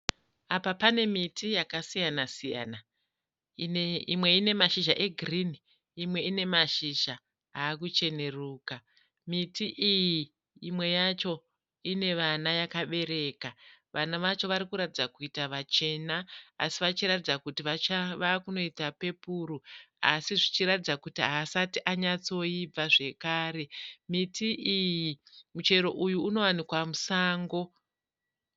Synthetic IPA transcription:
apapane̞mitʰijakasijanasija̰na | imwe̞ine̞maʃiʒaʔe̞ɡʱrini | imwe̞ine̞maʃiʒa | ɦaːkut͡ʃe̞ne̞ruːka | mitiʔijiː | mwe̞jat͡ʃo̞ | ine̞ʋanajakaɓe̞ɾe̞ːkaʋʔanaʋat͡ʃo̞ʋaɾikuɾatid͡zakuitaʋat͡ʃe̞naːsiʋat͡ʃiratid͡zakutiʋat͡ʃaʋakuno̞itape̞puːɾua̰siʐit͡ʃiɾatid͡zakutiɦaːsatiʔaɲat͡so̞ib͡vaʐe̞kaːɾe̞mitʰiʔijimut͡ʃe̞ɾo̞̰ʔujuːno̞wanikwamusaːŋɡo̞

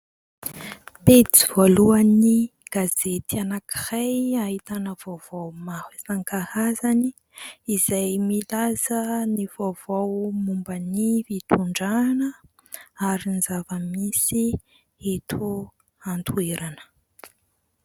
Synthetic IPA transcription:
pediv̥oluaniɡ̥azet̪ianaki̥hajaɦit̪anəv̥ov̥owmahisaŋkahazani | izajmilazənivov̥owmumbənivit̪ʰuɳɖ͡ʐanə | aɾinzavəmisi | et̪ʰu | ant̪ʰueɾanə̥

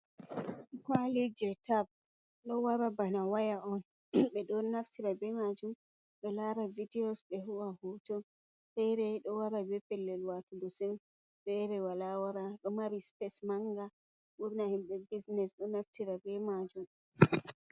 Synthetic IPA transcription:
kwalid͡ʒɛtab̚ | ɗɔwaɾabanawajaʔɔn | ɓɛɗɔnaftiɾabɛmad͡ʒum | ɓɛlaɾavidɛɔsɓɛɦuwahutɔn | fɛɾɛɗɔwaɾabɛpɛlːɛlwatudɔsɛn | ɓɛɾɛwalawaɾaɗɔmaɾispɛsmaŋɡa | ɓuɾnahimɓɛbisnɛsɗɔnaftiɾabɛmad͡ʒum

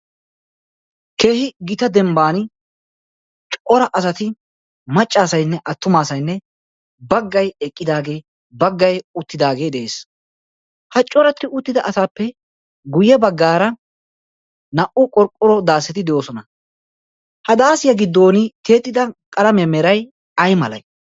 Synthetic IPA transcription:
ke̞ːhɪɡɪt̪ɐd̪ɛmbaːnɪ | t͡ʃʼʔɔɾɐʔɐsɐt̪ɪ | mɐt͡ʃʼːaːsɐjnːɛʔɐt̪ːʊmaːsɐjnːɛ | bɐɡːɐjɛkʼːɪd̪aːɡe̞ː | bɐɡːɐjʊt̪ːɪd̪aːɡe̞ːd̪ɛʔeːs | hɐt͡ʃʼːɔɾɐt̪ːɪʊt̪ːɪd̪ɐʔɐsaːpːɛ | ɡʊjɛbɐɡːaːɾɐ | nɐʔʊkʼɔɾkʼɔɾɔd̪aːsːɛt̪ɪd̪ɛjoːsɔnɐ | hɐd̪aːsɪjɐɡɪd̪ːo̞ːnɪt̪e̞ːt̪ːɪd̪ɐkʼɐlɐmɛjmɛɾɐj | ɐjmɐlɐ̰j

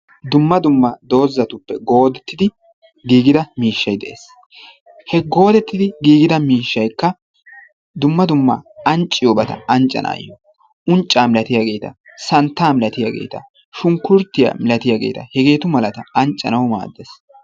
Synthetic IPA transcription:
d̪ʊmːɐd̪ʊmːɐd̪o̞ːzːɐt̪ʊpːɛɡo̞ːd̪ɛt̪ːɪd̪ɪ | ɡiːɡɪd̪ɐmiːʃːɐjd̪ɛʔḛːs | hɛɡo̞ːd̪ɛt̪ːɪd̪ɪɡiːɡɪd̪ɐmiːʃːɐjkːɐ | d̪ʊmːɐd̪ʊmːɐ̰ɐnt͡ʃʼːɪjoːbɐt̪ɐ̰ɐnt͡ʃʼːɐ̰nʔa̰ːj̰o | ʊnt͡ʃʼːaːmɪlɐt̪ɪjaːɡe̞ːt̪ɐ̰ | sɐnt̪ːaːmɪlɐt̪ɪjaːɡḛːt̪ɐ̰ | ʃʊŋkːʊɾt̪ːɪja̰ːmɪlɐt̪ɪjaːɡḛːt̪ɐ̰hɛɡe̞ːt̪ʊmɐlɐt̪ɐɐnt͡ʃʼːɐ̰nɐwma̰ːd̪ːɛs

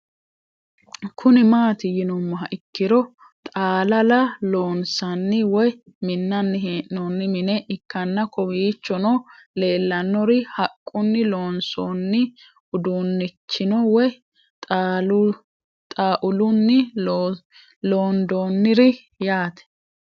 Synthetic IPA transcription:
kʰʊnɪmaːt̪ɪjɪnɔmːɔɦɐʔɪkːɪɾɔ | t̪ʼaːlɐlɐloːnsɐnːɪwɔj | mɪnːɐnːɪɦeːʔnɔnːɪmɪnɛʔɪkːɐnːɐkɔwiːt͡ʃːɔnɔle̞ːlːɐnːɔɾɪhɐkʼːʊnːɪlo̞ːnsonːɪ | ʊd̪unːɪt͡ʃːɪnɔwɔj | t̪ʼː | t̪ʼaːʔʊlʊnːɪ | loːnd̪oːnːɪɾɪ | jaːt̪ɛ̥

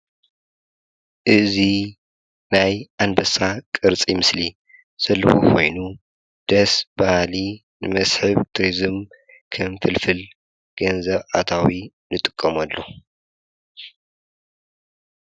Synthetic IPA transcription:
ʔɨzi | najʔanbɐsakʼɨɾt͡sʼimɨsli | z̥ɐlːɐxokʰo̞̰jnu | d̪̥ɐsbahli | nɨmɐsħɨβt̪ʰɾizɨm | kʰɐmfɨlfɨl | ɡ̥ɐnzɐβat̪ʰawi | nɨt̪ʼɨkʼːɐmɐlːo

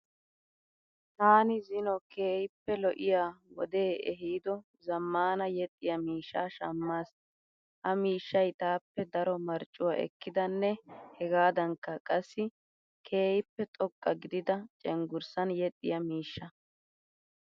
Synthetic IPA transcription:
t̪aːnɪzɪnɔkeːjɪpːɛlɔʔɪjaːwɔ̰d̪eːʔɛɦiːd̪ɔ | zɐmːaːnɐjɛt̪ʼːɪjɐmiːʃːaːʃɐmːaːs | ʔɐmiːʃːɐjt̪aːpːɛd̪ɐɾɔmɐɾt͡ʃʼːʊwaːʔɛ̰kːɪd̪ɐnːɛhɛɡaːd̪ɐŋkːɐkʼɐsːɪ | kʰe̞ːjɪpːɛt̪ʼɔkʼːɐɡɪd̪ɪd̪ɐt͡ʃʼɛŋɡʊɾsɐnjɛt̪ʼːɪjɐmiːʃːɐ

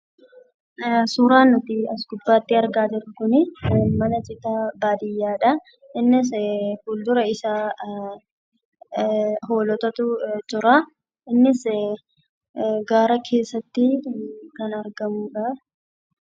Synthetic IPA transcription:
suːɾaːnːɔt̪ɪɐsɡʊbːaːt̪ːɪɐɾɡaːd͡ʒɪɾkʊnɪmɐnɐt͡ʃʼɪt̪aːbaːd̪ɪjːaːᶑɐ | ɪnːɪs̬fuːld̪ʊɾɐɪsaː | hoːlɔt̪ɐt̪ʊt͡ʃʊɾɐ | ɪnːɪs | ɡaːɾɐkʰe̞ːsːɐt̪ːɪkɐnɐɾɡɐmuːᶑɐ

